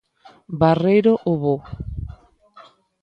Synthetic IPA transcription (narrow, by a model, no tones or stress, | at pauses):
barejɾoʔoβo